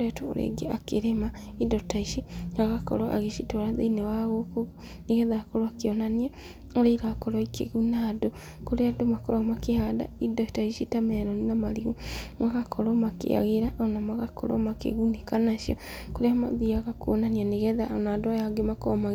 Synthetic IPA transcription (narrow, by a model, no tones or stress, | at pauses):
oɾɛtoo̰ɾḛɡeakeɾemaidɔtaiʃiaɣakɔ̰ɾɔʔa̰ɣeʃitoɾaðenewaɣokoɣo | niɣɛðakɔɾɔakeonania | oɾeiɾakɔɾɔikʰḛɣunado | koɾeadomakɔɾɔɣmakehada̰idɔtaiʃitamɛɾɔninamaɾiɣumaɣakʰɔɾɔmakḛa̰ɣeɾaonamaɣakʰɔ̰ɾɔ̰makḛɣunekanaʃjɔkoɾeamaðiaɣakwonanianeɣɛðanadoajaɡemakɔma